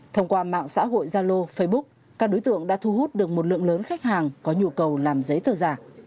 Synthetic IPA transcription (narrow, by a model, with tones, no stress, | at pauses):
t̪ʰə˧wŋ͡mkwaː˧ma̰ː˧˨ŋsa̰ː˧˥ɦo̰˧˨jzaː˧lo˧fə˧jɓʊ˦˥k̚ | kːaː˦˥k̚ɗo˨˦jt̪ɨ̰˧˨əŋɗa̰ː˧˥t̪ʰu˧ɦu˦˥t̚ɗɨ˨˩ək̚mo˨˩t̚lɨ̰˧˨əŋləː˨˦nxa˦˥k̚haː˨˩ŋkɔ˨˦ɲṵ˨˧˩əkə˨˩wlaː˨˩mzə˨˦jt̪əː˨˩zaː˨˩